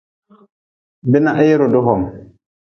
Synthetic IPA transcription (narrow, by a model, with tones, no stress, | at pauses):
be˦na˦˨ʔe˦jɾo˨do˦ɦɔ˨ŋ